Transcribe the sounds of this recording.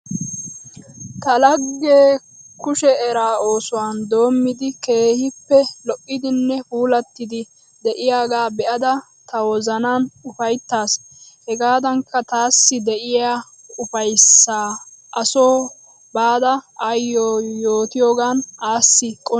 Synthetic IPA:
t̪ɐlɐɡːeː | kʊʃɛɛɾaːo̞ːsʊwaːnd̪o̞ːmːɪd̪ɪke̞ːhɪpːɛlɔʔʼːɪd̪ɪnːɛfuːlɐt̪ːɪd̪ɪ | d̪ɛʔɪjaːɡaːbɛʔɐd̪ɐ | t̪ɐwɔzɐnaːnʊfɐjt̪ːaːs | hɛɡaːd̪ɐŋkːɐt̪aːsːɪd̪ɛʔɪjaː | ʊfɐjsːaːʔɐso̞ː | baːd̪ɐɐjːoːjo̞ːt̪ɪjoːɡaːnaːsːɪkʼɔ

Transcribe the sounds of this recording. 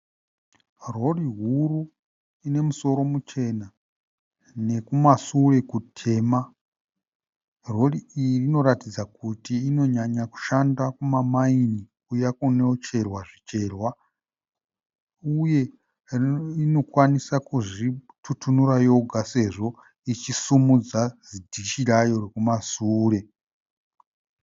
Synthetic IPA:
ro̞riɦuru | ine̞muso̞ɾo̞mut͡ʃe̞na | ne̞kumasure̞kutʰe̞ːma | ro̞riiino̞ɾatid͡zakutiːno̞ɲaɲaku̥ʃandakumamainikujakuneot͡ʃe̞rwaʐit͡ʃe̞ːrwa | uje̞ | ino̞kwanisakuʐi | tʰutʰunurajo̞ɡʱase̞ʐo̞ | it͡ʃisumud͡zazidʱit͡ʃiɾajo̞rekumasuːɾe̞

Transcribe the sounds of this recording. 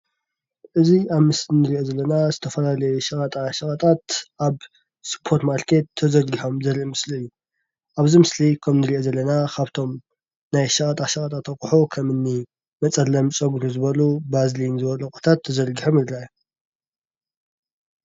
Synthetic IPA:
ʔɨziaβmɨslinɨɾiʔo̞zɐlːɐnazɨt̪ʰɐfɐlalɐjuʃɐkʼɐt̪ʼaʃɐkʼɐt̪ʼat̪ʔaβ | sɨ̥pʰo̞ɾt̪maɾkʰe̞t̪ʰːɐzɐlɡiħo̞mzɐɾiʔmɨsliɨjːu | ʔaβzimɨslikʰɐmnɨɾiʔo̞zɐlːɐnakʰaβt̪ʰo̞m | najʃɐkʼɐt̪ʼaʃɐkʼɐt̪ʼat̪ʰɐkʼuħokʰɐmɨnːi | mɐt͡sʼɐlːɐmt͡sʼɐɡɾuzɨβɐlubazlinzɨβɐlɐkʼu̥t̪ʰat̪ʰːɐzɐlɡiħomɨd̪ɾaju

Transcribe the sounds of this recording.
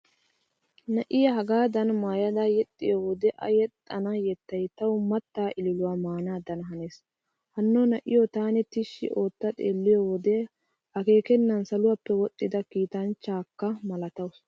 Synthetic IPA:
nɐʔɪjɐɦɐɡaːd̪ɐnmaːjɐd̪ajɛt̪ʼːɪjowɔd̪ɛʔɐ̰jɛt̪ʼːɐnɐjɛt̪ːɐjt̪ɐwʊmɐt̪ːaːʔɪlɪlʊwaːmaːnaːd̪ɐnɦɐneːs | hɐnːonɐʔɪ̰jot̪aːnɛt̪ɪʃːɪ̰ʔo̞ːt̪ːɐt̪ʼeːlːɪjowɔd̪ɛ | ʔɐke̞ːkɛnːɐnsɐlʊwapːɛwɔt̪ʼːɪd̪ɐkiːt̪ɐnt͡ʃːaːkːɐmɐlɐt̪ɐws

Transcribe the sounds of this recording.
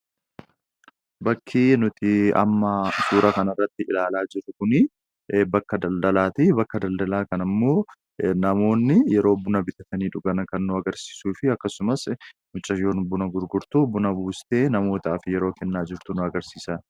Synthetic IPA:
bɐkʰːiːnʊt̪ɪɐ̰mːɐsuːɾʔɐkɐnɐrːɐt̪ːɪɪlaːlaːd͡ʒɪɾʊkʊnɪ | bɐkːɐd̪ɐld̪ɐlaːt̪ɪbɐkːɐd̪ɐld̪ɐlaːkɐnɐmːo̞ː | nɐmo̞ːnːɪjɛɾo̞ːbʊnɐbɪt̪ɐt̪ɐniːᶑʊɡɐnɐkɐnːʊɐɡɐɾsi̥ːsuːfɪɐkːɐsʊmɐsmʊt͡ʃʼːɐjoːnbʊnɐɡʊɾɡʊɾt̪ubʊnɐbuːst̪e̞ːnɐmo̞ːt̪aːfɪjɛɾo̞ːkɛnːaːd͡ʒɪɾt̪ʊnʊɐɡɐɾsiːsɐn

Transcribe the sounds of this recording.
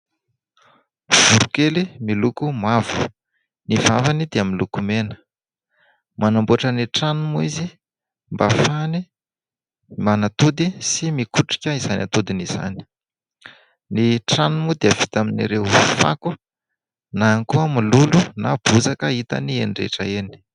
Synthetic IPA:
v̥uɾukelimilukumavu̥ | nivavanid̪eaminlukumenə̥ | manambuaʈ͡ʂəniʈ͡ʂanumuizi | mbafani | manat̪ud̪isimikuʈ͡ʂi̥kʲəizanʲa̰t̪ud̪iniz̥a̰ni̥ | niʈ͡ʂanumud̪eav̥it̪aminiɾefa̰ku | naŋkuəmilulunab̥uzakəit̪a̰nieɳɖ͡ʐḛʈ͡ʂəeni̥

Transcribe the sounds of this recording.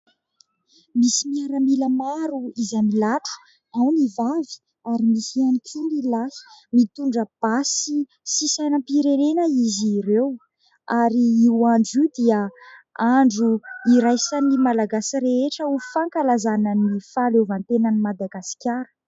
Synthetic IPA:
misimiaɾamiləmaɾuizamilaʈ͡ʂu̥ | awnivavi̥ | aɾimisianikʰunilasi̥mit̪uɳɖ͡ʐəb̥asi | sisajnəpiɾenenəiziɾew | aɾiiwaɳɖ͡ʐiwd̪iəaɳɖ͡ʐuiɾajsanimalaɡasiɾeeʈ͡ʂəufaŋkalazanənifalevant̪enənimad̪aɡasi̥kʲaɾə̥

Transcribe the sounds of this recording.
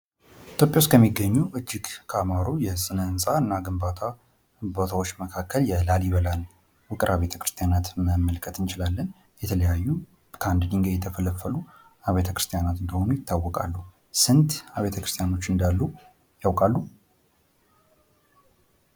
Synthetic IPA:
ʔit̪ʰjopʼjawskʰəmːiɡəɲːuʔɨd͡ʒːɪɡkʰamaɾojɛsʼɨnənsʼaɨnːaɡɨmbat̪ʰa | bot̪ʰawo̞t͡ʃːməkʰakːəljɛlaljɪβəlal | wʊkʼɨɾʔaβe̞t̪ʰə̥kʰɾɨst̪ʰʼjanat̪məməlkʼət̪ɨnt͡ʃɪlalːən | jɛt̪ʰələjajːu | kʰəand̪ɨniŋɡejɛt̪ʰəfələfːəlu | aβet̪ʰəkɾɨst̪ʰʼijanat̪ɨnd̪əho̞nujɪt̪ʰːawːɔkʼa̰lːu | sɨnt̪aβe̞t̪ʰəkʰɾɨst̪ʰʼijano̞t͡ʃːɨnd̪alːu | jawkʼalːu

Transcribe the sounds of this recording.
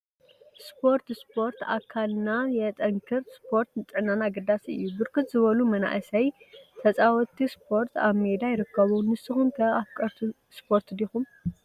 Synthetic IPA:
spʰo̞ɾt̪spʰo̞ɾt̪a̰kʰːalnajɛt̪ʼɐŋkʰɨɾspʰo̞ɾt̪nɨt͡sʼɨʕnanaɡɐd̪asɨ̰jːubɨɾkʰɨt̪zɨβɐlumɐna̰ʔɨsɐj | t̪ʰɐt͡sʼawɔt̪ispʰo̞ɾt̪aβmed̪ajɪɾɨkːɐβunɨsɨxumkʰɐaβkʼɐɾt̪ʰu | spʰo̞ɾt̪d̪ixum

